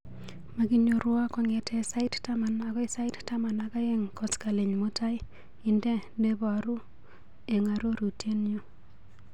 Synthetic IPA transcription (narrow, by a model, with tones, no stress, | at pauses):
ma˨ɡi˦ɲo˨ɾwa˦kɔ˨ŋe˨tʰɛ˦sa˦ɪ˦tta˦ma˨na˨kɔ˦ɪ˦sa˦ɪ˦tta˦ma˨na˦ka˦e˦ŋkɔ˦ska˨le˨ɲmo˦ta˦j | ɪ˨ndɛ˦de˦bɔa˨ɾo˦ | e˨ŋa˨ɾo˦ɾu˨te˦njo˦